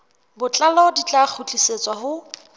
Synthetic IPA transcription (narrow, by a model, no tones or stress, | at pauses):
bʊt͡ɬʼalɔdit͡ɬʼak͡xʰut͡ɬʼiset͡sʼwaɦʊ